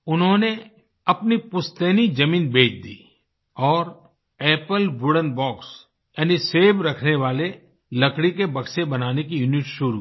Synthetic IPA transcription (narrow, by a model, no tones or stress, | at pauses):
ʊnɦõne | ɐpnipʊst̪eːnid͡ʒɐmiːnbeːt͡ʃʰd̪ḭː | ɔːɾ | ɛːpəlbʊɽənbɔːks | jaːniseːbɾɐkʰneʋaːle | lɐkɽikebɐkʃebɐnaːnekijʊnɪʈʃʊɾu